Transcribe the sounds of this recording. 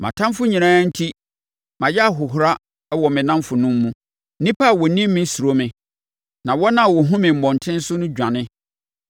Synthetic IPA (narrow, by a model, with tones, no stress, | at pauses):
mã̰˨tʰã˦mfʊ˦ɲĩ˨nãː˦n̩˦tʰi˦ | mã˨jɛ˦a˨ɦʊ˨ɦʊ˨ɾa˦ | wɔ˨mɪ̃˨nã˦mfʊ˨nʊ̃˦mːũ˦ | nĩ˦pʰa˦˨wɔ˨nĩ˦mɪ̃˦su˨ɾo˦mɪ̃˨ | nã˨wɔ˦nã˨wɔ˨ɦʊ̃˦mɪ̃˨m̩˨mɔ̃˨n˨tʰɪ̃˦n̩˦sʊ˦nʊ̃˦d͡ʑᶣã˨nɪ̃˦